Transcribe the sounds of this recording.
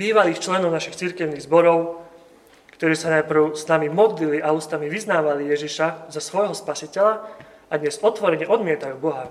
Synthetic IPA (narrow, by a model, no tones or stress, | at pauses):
biːʋaliːxt͡ʃlɛnɔʊnaʃixt͡siɾkɛʊniɣzbɔɾɔʊ | kt̪ɔɾiːsanajpr̩ʊsnamimɔd̪liliʔauːst̪amiʋiznaːʋalijɛʒiʃazasʋɔjɦɔspasicɛʎa | ad̪ɲɛzɔt̪ʋɔɾɛɲɛʔɔd̪mɪɛt̪ajuːbɔɦa